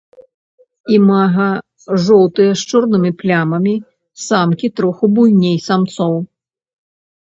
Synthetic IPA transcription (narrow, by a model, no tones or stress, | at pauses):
imaɣɐ | ʐɔwt̪ɨjɐʂt͡ʂɔrnɨmʲiplʲamɐmʲi | samkʲit̪ɾɔxubujnʲejsamt̪sɔw